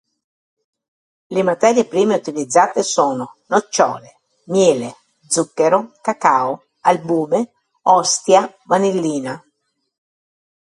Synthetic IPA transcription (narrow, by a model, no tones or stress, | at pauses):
lemat̪ɛːɾjepɾiːmeut̪ilid̪zːaːt̪esoːnonot͡ʃːɔ̰ːle | mjɛːle | d̪zukːeɾokakaːo | albuːme | ɔst̪ja | vanelːiːna